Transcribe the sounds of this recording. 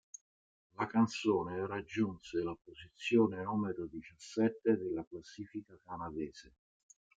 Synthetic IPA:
lakant̪soːneɾad͡ʒːunselapːozit̪sːjoːnenuːmeɾod̪it͡ʃasːɛt̪ːed̪elːaklasːiːfikakanad̪ɛːz̥e

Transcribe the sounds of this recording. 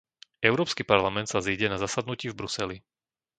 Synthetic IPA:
ɛʊɾɔːpskipaɾlamɛnt̪saziɟɛnazasad̪nuciːvbɾusɛli

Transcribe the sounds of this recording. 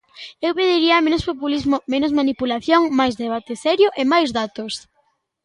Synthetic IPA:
ewpeð̞iɾiɐmẽnospopulizmomenʊzmanipulaθjoŋmajzðeβ̞at̪esɛɾjoʔɪmajzðat̪os

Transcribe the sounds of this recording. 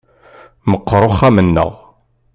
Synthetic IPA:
məqːɾˤoχːæmənːə̰ʁ

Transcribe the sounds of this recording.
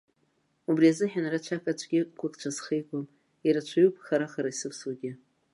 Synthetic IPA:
ubriazɨħᶣanarat͡ʃʷʰakʼat͡ʃʷʰʼɡʲɪkʷʰʊkʼt͡ʃʷʰasχejkʷʼom | iɾat͡ʃʷʰajupʰʼχaɾaχaɾaisɨpsaɡʲɪ

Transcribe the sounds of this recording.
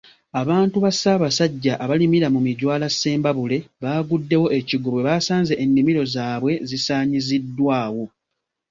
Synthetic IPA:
aβaːntuβasaβasaɟːaʔːβalimiɾamumiɟwaːlasːe̞ːmbaβule̞βaːɡudːe̞wo̞ʔeciɡuβwe̞βasaːnzeʔːnːimiɾo̞zaːβwe̞zisaːɲizidːwaːwo̞

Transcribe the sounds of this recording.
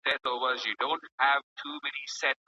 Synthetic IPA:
ɛtovəzjɨdõʊ̃nt̚hæv̥tʰumɛnisɛt̚

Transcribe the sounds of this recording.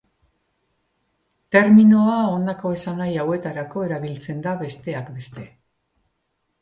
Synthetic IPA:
t̪e̞ɾmino̞ao̞nako̞e̞sanajawe̞t̪aɾako̞e̞ɾaβilt͡se̞nd̪aβe̞st̪e̞akbe̞st̪e̞

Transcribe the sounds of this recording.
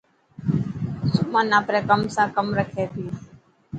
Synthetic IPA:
sʊmãːnaːpɾeːkəmsãːkəmɾəkʰeːt̪iː

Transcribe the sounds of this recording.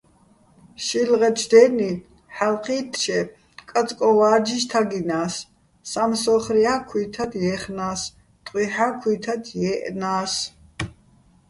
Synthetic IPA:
ʃilʁɛt͡ʃʰd̪ɛni | ħalqʰiːt̪ʰʃɛ | kʼat͡sʼkʼɔvaːd͡ʒiʃt̪ʰaɡinaːsː | amsɔχriakʰwit̪ʰad̪jɛːχnaːs | t̪ʼqʼwiħaːkʰiːt̪ʰad̪ʰjɛːʔnaːs

